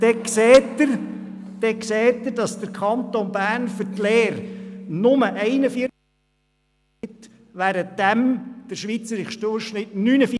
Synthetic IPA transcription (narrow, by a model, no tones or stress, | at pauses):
d̥ɛkseːtəɾ | d̥ɛkseːtːəɾd̥ɑsd̥əɾkʰɑnt̪onbæːɾnfʏɾtleːɾnʊməʔɛɪnəfiə | ɪt̪ | ʋæːɾətd̥æmd̥əɾʃʋit͡səɾɪχʃd̥ʊʃnɪtnyːnəfi